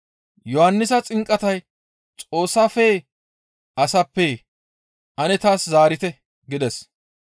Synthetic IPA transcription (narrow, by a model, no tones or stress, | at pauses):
jɔhɐnːɪsɐt͡sʼɪŋkʼːɐt̪ɐj | t͡sʼo̞ːsːafɛ | ɐsɐpːɛ | ʔɐnɛt̪aːszaːɾɪt̪ɛ | ɡɪd̪ɛs